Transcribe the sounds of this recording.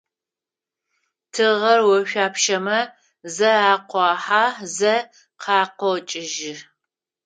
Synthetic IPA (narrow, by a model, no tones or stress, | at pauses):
tʰɨʁɐrwɔʃᶣʷaːpʃɐmɐ | zɐaːqʷɑːħaːzɐ | qʰɑːqʷɔt͡ʃʼɪʒɪ